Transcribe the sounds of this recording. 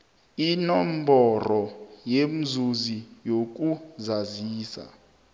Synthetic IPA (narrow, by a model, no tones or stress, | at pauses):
inɔm̩bɔrɔjem̩zuzijok̬uzaziːsa̰